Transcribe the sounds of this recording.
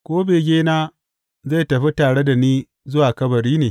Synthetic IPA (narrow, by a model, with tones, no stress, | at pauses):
kʷoː˦beː˨ɡʲeː˦naː˦ | za˦˨tɐ˨ɸi˦taː˨ɽe˦da˨niː˦ | zʊ˦waː˨kɐ˦bɐ˨ɽiː˦neː˨